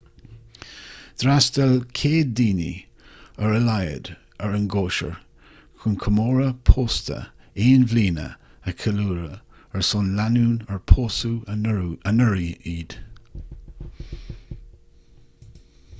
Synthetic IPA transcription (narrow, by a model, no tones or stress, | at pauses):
d̪̥ɾasdəlkʰeːddiːnḭ | əɹəlajə̰d̪ | əɹənɡoːʃə̰ɹ | kʰunkʰəmoːɹəpʰoːst̪ə̰ | eːnvliːnə̰ | əkʰəluːɹəəɹsʊnlanuːnəɹpʰoːsu | ənəɹiiːd̪̥